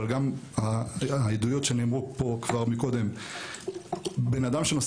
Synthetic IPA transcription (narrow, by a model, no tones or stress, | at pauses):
alɡamhaid̪ujo̞tʃeanimʁupo̞kvaʁmiko̞d̪e̞m | be̞nad̪amʃenos